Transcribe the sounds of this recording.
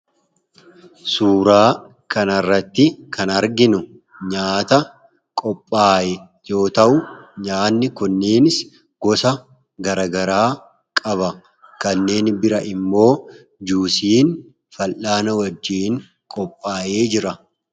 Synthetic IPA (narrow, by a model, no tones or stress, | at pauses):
suːɾaː | kɐnɐrːɐt̪ːɪkʰɐnɐɾɡɪnʊ | ɲaːt̪ɐ | kʼɔpʼːaːjɛ | jo̞ːt̪ɐʔʊɲaːnːɪkʊnːeːnɪs | ɡɔsɐ | ɡɐɾɐɡɐɾaː | kʼɐβɐ | kɐnːe̞ːnbɪɾɐʔɪmːo̞ː | d͡ʒuːsiːn | fɐlʔaːnɐwɐd͡ʒːiːŋ | kʼɔpʼːaːje̞ːd͡ʒɪɾɐ